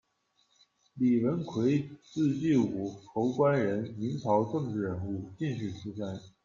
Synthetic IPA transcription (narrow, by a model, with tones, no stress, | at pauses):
li˨˩wə˧˥nkʰwe˧˥ɪt͡sɹ̩˥˧t͡ɕi˥˩u˨˩xo˧˥ʊkwa˥nɻə˧˥nmi˧˥nt͡sʰɑ˧˥ʊʈ͡ʂɤ˥˧ŋʈ͡ʂɻ̩˥˩ɻə˧˥nu˥˩t͡ɕi˥˧nɕy˥˩ʈ͡ʂʰu˥ʂa˥˩n